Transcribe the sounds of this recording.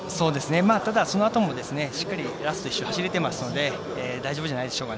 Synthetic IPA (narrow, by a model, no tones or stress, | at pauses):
so̞ːd̪e̞sɨne̞maːt̪ad̪aso̞noat̪o̞mo̞d̪e̞sɨne̞ɕi̥kːaɾʲiɾasɨ̥t̪o̞iɕːohaɕiɾe̞t̪e̞masɨno̞d̪e̞ː | d̪aiʑo̞bɯʑanaid̪e̞ɕo̞ːka